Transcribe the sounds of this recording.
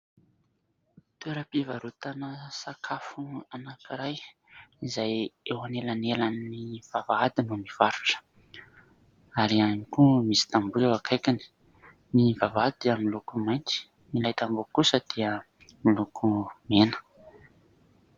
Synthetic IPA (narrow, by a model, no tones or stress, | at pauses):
t̪ueɾəpivaɾut̪anəsakʰafuanakiɾajizajewanelanelanːiv̥avaad̪inumiv̥aɾu̥ʈ͡ʂə̥ | aɾianikumisi̥t̪ambulewakʰajkini̥ | nivavad̪d̪eamilukumajnt̪i̥ | milajt̪ambokusəd̪̥eə | milukʰumenə̥